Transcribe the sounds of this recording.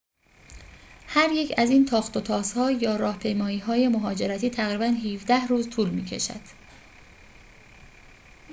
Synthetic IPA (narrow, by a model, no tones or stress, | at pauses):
hæɾje̞cʰæziːnt̪ʰɒːxt̪o̞t̪ʰɒːshɒːjɒːɾɒːhpʰe̞jmɒːiːɦɒːje̞moɦɒːd͡ʒe̞ɾæt̪ʰiːt̪ʰæɣɾiːbænɦiːvd̪æhruːzt̪ʰuːlmiːcʰe̞̰ʃæ̰d̪̥